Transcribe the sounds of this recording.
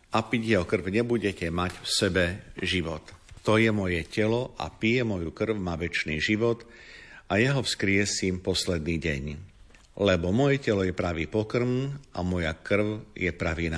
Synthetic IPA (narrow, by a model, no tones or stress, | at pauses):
apiɟjɛɦɔkr̩ʊɲɛbuɟɛcɛmaɟfsɛbɛʒiʋɔt̪t̪ɔjɛmɔjɛcɛlɔʔa̰pijɛmɔjukr̩wmaːʋɛt͡ʃniːʒiʋɔt̪ | ajaɦɔfskɾɪɛsimpɔslɛd̪niːɟɛ̰ɲ | lɛbɔmɔjɛcɛlɔjɛpɾaʋiːpɔkr̩namɔjakr̩ʊjɛpɾaʋiːna